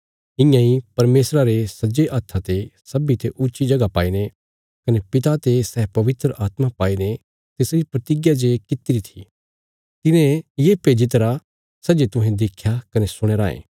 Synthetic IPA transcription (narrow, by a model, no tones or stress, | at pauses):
ɪ̃jãĩpɐɾmeːsɾaɾesɐd͡ʒeʔɐt̪ʰːat̪esɐbit̪eʔʊːʃid͡ʒɐɡapaːine | kɐnepɪt̪at̪esɛːpɐʋɪt̪ɾəʔaːt̪mapaːine | t̪eːsɾipɾɐt̪ɪɡjad͡ʒekɪt̪iɾit̪ʰi̥̰ | t̪ɪnẽjepeːd͡ʒit̪ɐɾa | sɐd͡ʒet̪ʊ̃ɦẽd̪eːkʰːjakɐnesʊɽ̃eːɾaːḛ̃ː